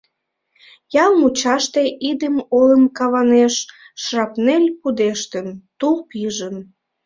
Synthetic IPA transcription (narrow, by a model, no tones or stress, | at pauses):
jɑlˠmut͡ɕɑʃt̪eʔid̪əmoləmkɑβɑneʃː | rɑpnelʲpud̪eʃt̪ənt̪upiʒən